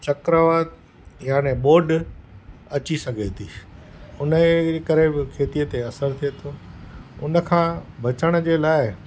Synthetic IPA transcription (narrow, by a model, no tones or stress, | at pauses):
t͡ɕɐkɾəʋaːt̪ | jaːneɓoːɖ | ɐt͡ɕisɐɡʱet̪ʰiːʊnəkəɾebɪkʰeːt̪ijət̪eɐsəɾt̪ʰiet̪ʰoːʊnəkʰãːbʱɐt͡ɕəɽ̃ə̆d͡ʑeːlaːɪ